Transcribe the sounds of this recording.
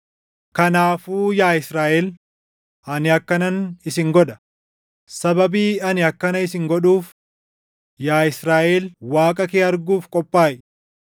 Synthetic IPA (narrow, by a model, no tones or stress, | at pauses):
kɐnaːfuːjaːɪsɾaːʔɛl | ʔɐnɪɐkːɐnɐnɪsɪŋɡɔɗɐ̥ | sɐbɐbiːɐnɪɐkːɐnɐɪsɪŋɡɔᶑuːf | jaːɪsɾaːʔɛlwaːkʼɐkeːɐɾɡuːfkʼɔpʼːaːʔɪ